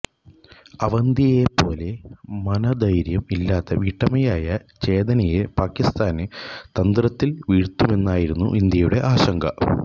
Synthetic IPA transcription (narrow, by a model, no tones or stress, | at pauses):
ɐʋɐnd̪ijepo̞ːle̞mɐnɐd̪ɐjɾjɐmilːaːt̪ːɐʋiːʈːɐmɐjaːjɐt͡ɕe̞ːd̪ɐnɐjepaːkːist̪aːnɨt̪ɐnd̪rɐt̪ːilʋiːɻt̪ːume̞nːaːjiɾunːṵʔind̪jɐjuɽe̞ʔaːɕɐŋɡɐ̰